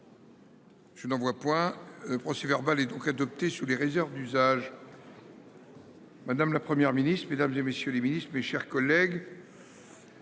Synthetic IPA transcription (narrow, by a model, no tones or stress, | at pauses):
ʒ̥ənɑ̃vwapwɛ̃ləpχɔsevɛʁbalɛd̪ɔ̃kad̪ɔp̚t̪esuleʁezɛʁvd̪yzaʒ | mad̪amlapχəmjɛʁminist̪χmed̪amzemesjøleminist̪χmeʃɛʁkɔlɛɡ